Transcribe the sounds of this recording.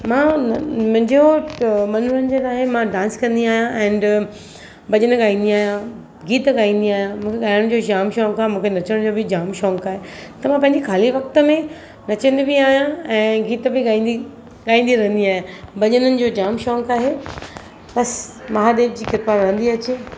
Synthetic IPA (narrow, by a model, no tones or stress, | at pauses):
mãːmʊ̃ɦɪ̃ɲd͡ʑomɐnɾənd͡ʑənaːɦemãɖãːnskɐ̃nd̪iaːɦijãʔɛ̃ːn | bɐʄənəɠaːĩːnd̪iaːɦijã | ɡiːt̪ɠaːĩːn̆d̪iaːɦijãmũːkʰeɠaːɪɽ̃ɪ̆d͡ʑoːd͡ʑaːmʃɔːŋkaːɦemũːkʰenɐt͡ɕəɽ̃d͡ʑoːbɪd͡ʑaːmʃɔːŋkaːɦet̪ɐmãpɐ̃ɦɪ̃ɲd͡ʑekʰaːliʋɐk̚t̪ə̆mẽ | nɐt͡ɕə̃nd̪bɪaːɦijãɛ̃ːɡiːt̪bɪɠaːĩːni | ɠaːĩːnd̪iɾɐ̃ɦə̃nd̪iaːɦẽbɐʄənənɪ̆d͡ʑoːd͡ʑaːmʃɔ̃ːŋkaːɦe | pɐsmɐɦaɗ̪eːʈd͡ʑiːkɪɾpaːɾʋɐ̃ə̃nd̪iɐt͡ɕe